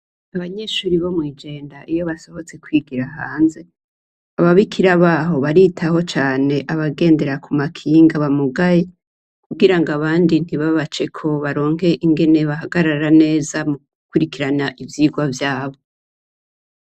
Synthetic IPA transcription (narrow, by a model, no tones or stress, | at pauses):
aβaɲe̞ʃuːɾiβo̞mwiːd͡ʒe̞ːndaʔijo̞βaso̞ho̞t͡se̞kwiːɡiɾahaːnze̞ | aβaβikʰiɾaβaːɦo̞βaɾitʰaho̞t͡ʃaːne̞ʔaβaɡe̞ːnde̞ɾakumakʰiːŋɡaβamuɡaje | kuɡiɾaŋɡaβaːndin̥iβaβat͡ʃe̞kʰo̞βaɾo̞ːŋhe̞ʔiŋɡe̞ne̞βaɦaɡaɾaɾane̞ːzamuɡukuɾikiɾanaʔivjiːɡwavjaːβo̞